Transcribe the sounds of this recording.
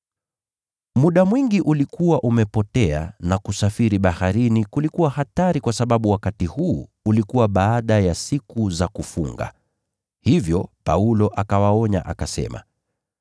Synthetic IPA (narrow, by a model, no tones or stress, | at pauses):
muɗamwiŋɡiʔulikuwaʔumɛpɔtɛa̰nakusafiɾiɓahaɾinikulikuwahataɾikwasaɓaɓuwakatihuːlikuwaɓaːɗajasikuzakufṵŋɡa̰ | hivjɔpaulɔʔakawaɔɲa̰ʔakasɛ̰ma̰